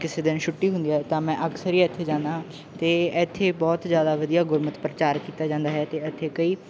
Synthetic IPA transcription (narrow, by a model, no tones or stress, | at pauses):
kɪseːd̪ɪnʃʰʊʈːiːɦʊ̃nd̪iːɛːt̪ãːmɛ̃ːʔəksəɾiːɛt̪ʰːeːd͡ʒãːnd̪aː | t̪eːɛt̪ʰːeːbɔːt̪zjaːd̪aːʋəd̪ijaːɡʊɾmət̪pɾət͡ʃaːɾkiːt̪aːd͡ʒãːnd̪aːɦɛːt̪eːət̪ʰːeːkəiː